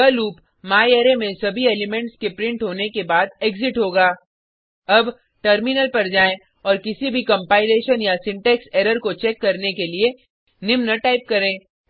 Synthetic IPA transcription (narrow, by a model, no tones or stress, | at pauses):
əluːp | maːjeːɾemẽsɐbʱieːlɪmɛ̃ɳʈskepɾɪ̃ɳʈɦoːnekebaːd̪eːɡzɪʈɦoːɡaː | ɐb | ʈəɾmɪnəlpɐɾd͡ʒaːẽ | ɔːɾkɪsibʱikɐ̃mpaːɪleːʃənjasɪ̃ɳʈɛːkseːɾəɾkot͡ʃɛːkːɐɾnekelie | nɪmnəʈaːɪp̚kɐɾẽː